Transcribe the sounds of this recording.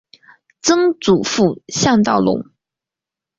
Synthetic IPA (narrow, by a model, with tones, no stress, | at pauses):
t͡sɤ˥ŋt͡su˨˩fu˥˩ɕjɑ˥˧ŋt̪ɑ˥˩ʊlʊ̰˧˥ŋ